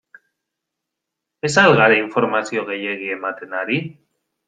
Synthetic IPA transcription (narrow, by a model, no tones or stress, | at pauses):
e̞salɣaɾeiɱfo̞ɾmasio̞ɣ̞e̞je̞ɣ̞ie̞mat̪e̞naɾi